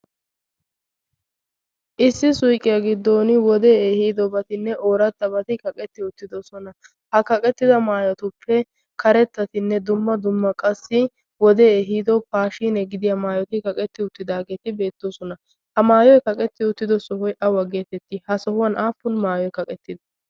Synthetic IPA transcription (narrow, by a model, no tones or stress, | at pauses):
ʔɪsːɪsʊjkʼːɪjɐɡɪd̪ːoːnɪwɔd̪eːehiːd̪ɔbɐt̪ɪnːɛʔoːɾɐt̪ːɐbɐt̪ɪkɐkʼɛt̪ːɪʊt̪ːɪd̪ɔsɔnɐ | hɐkɐkʼɛt̪ːɪd̪ɐmaːjɐt̪ʊpʰːɛ | kɐɾɛt̪ːɐt̪ɪnːɛd̪ʊmːɐd̪ʊmːɐkʼɐsːɪ | wɔd̪eːeɦiːd̪ɔpaːʃiːnɛɡɪd̪ɪjɐmaːjɔt̪ɪkɐkʼɛt̪ːɪʊt̪ːɪd̪aːɡe̞ːt̪ɪbe̞ːt̪ːosɔnɐ | hɐmaːjɔjkɐkʼɛt̪ːɪʊt̪ːɪd̪ɔsɔhɔjʔɐwɐɡe̞ːt̪ɛt̪ːɪhɐsɔhʊwɐnʔaːpːʊnmaːjɔjkɐkʼɛt̪ːɪd̪ɐ